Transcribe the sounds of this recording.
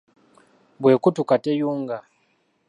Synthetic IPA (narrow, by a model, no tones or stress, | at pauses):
bwe̞ːkutukatejuːŋɡa